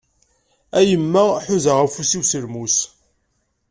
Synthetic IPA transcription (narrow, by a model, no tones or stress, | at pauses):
æjəmːæħuzaʁæfusiwsəlmus